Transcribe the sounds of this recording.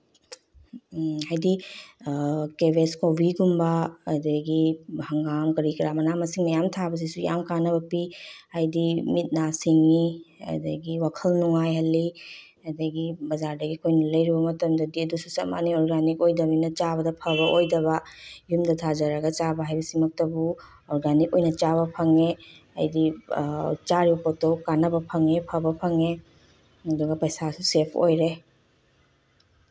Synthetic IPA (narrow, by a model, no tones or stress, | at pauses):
hajdi | kebeskobiɡumbɐ̰ːdɐɡihɐŋɡamkɐɾikɾamɐnamɐsiŋnɐjamtʰabɐs̬isuja̰mkanɐbɐpihajdimit̚nasiŋiɐ̰dɐ̰ɡiwakʰɐlnuŋajɦɐlːi | ɐdɐɡibɐzaɾdɐɡikʰojnɐlɐjɾibɐmɐtɐmdɐdiɐdususɐ̰ma̰niɔɾɡanikojdɐminɐt͡ʃabɐdɐpʰɐβɐʔojdɐβɐjumdɐtʰazɐɾɐɡɐt͡ʃabɐɦajbɐsimɐk̚tɐbu | oɾɡanikojnɐt͡ʃaβɐpʰɐŋeɐ̰jdi | t͡ʃaɾibɐpotokanɐbɐpʰɐŋepʰɐbɐpʰɐŋe | ɐduɡɐpɐjsasusepʰo̰jɾe